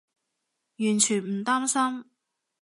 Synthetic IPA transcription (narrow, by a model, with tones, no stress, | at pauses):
jyː˨˩nt͡ʃʰyː˨˩nm̩˨˩t̪aː˥msɐ˥m